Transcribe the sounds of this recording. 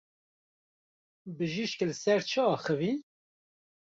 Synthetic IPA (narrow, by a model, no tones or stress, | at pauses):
bɨʒiʃklɨsɛɾt͡ʃʰəɑːxəvi